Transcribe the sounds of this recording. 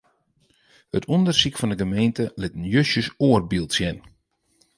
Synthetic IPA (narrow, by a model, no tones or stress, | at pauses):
hətʰɔndərsikfɔndəɡəmeːntəlɪtən̩jøsjəsoərbilˠtsjɛn